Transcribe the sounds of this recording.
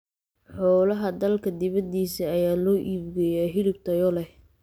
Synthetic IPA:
ħɔːlɐɦɐd̪ɐlkʰɐd̪ɪβɐd̪iːsiɐjaːlɔːʔiːbɡɛjaːɦɪlɪb̚t̪ʰɐjɔlɛ

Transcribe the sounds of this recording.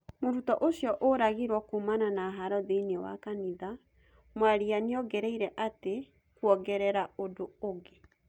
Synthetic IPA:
moɾutɔʔoɕjɔʔoɾaɣiɾwɔkumananaɦaɾɔðeinewa̰kaniða | mwaɾianeɔɡɛɾɛiɾɛʔate | kuɔɣɛɾɛɾaodooɡe

